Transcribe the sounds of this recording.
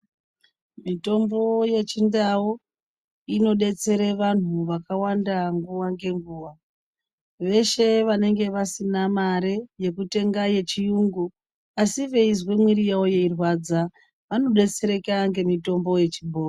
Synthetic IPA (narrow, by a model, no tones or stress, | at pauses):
mito̞mbo̞je̞t͡ʃindawo | ino̞ɗe̞t͡se̞ɾe̞ʋan̤uʋakawandaŋɡuwaŋɡe̞ŋɡuːwa | ʋe̞ʃe̞ʋane̞ŋɡe̞ʋasinamaɾeje̞kute̞ŋɡaje̞t͡ʃijuːŋɡu | asiʋe̞izwemwiɾijaoje̞irwad͡za | ʋano̞ɗe̞t͡se̞ɾe̞kaŋɡe̞mito̞mbo̞je̞t͡ʃibʱo̞ːro